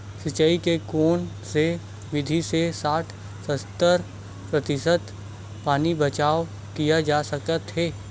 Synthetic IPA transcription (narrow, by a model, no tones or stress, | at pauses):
sɪt͡ʃəikekoːn | se | ʋɪd̪ʱisesaːʈʰ | səst̪əɾ | pɾət̪ɪsət̪ | paːnibət͡ʃaːo | kijad͡ʒaːsɐkət̪ɦɛː